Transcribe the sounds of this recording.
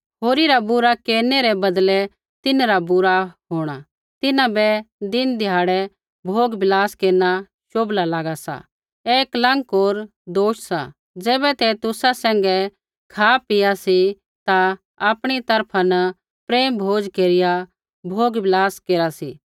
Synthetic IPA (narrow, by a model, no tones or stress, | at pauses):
ɦoːɾiɾabʊɾakeːɾnɛɾɛbɐd̪lɛ | t̪ɪnɾabʊɾaɦoːɽ̃a | t̪ɪnãbɛd̪ɪnd̪ʱjaːɽɛ | bʱoːɡbɪlaːskeːɾna | ʃoːblalaːɡasa̰ | eːklɐ̃ŋkoːɾ | d̪oːʃsa̰ | d͡zɛːbɛt̪ɛt̪ʊsasɛ̃ːŋɡɛ | kʰaːpɪjasi | t̪a | aːpɽ̃it̪ɐɾpʰanə | pɾeːmbʱoːd͡ʒkeːɾɪja | bʱoːɡbʱɪlaːskeːɾasḭː